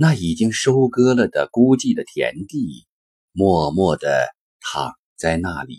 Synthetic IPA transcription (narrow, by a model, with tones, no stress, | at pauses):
na˥˩i˨˩t͡ɕi˥ŋʂo˥ʊkɤ˥lə˨d̪ə˩ku˥t͡ɕi˥˩d̪ə˩t̪ʰjɛ̰˧˥nt̪i˥˩ | mwɔ˥˧mwɔ˥˩d̪ə̰˩ | t̪ʰɑ̰˨˩˦ŋ | t͡sa˥˧ɪna˥˩lḭ˨˩˦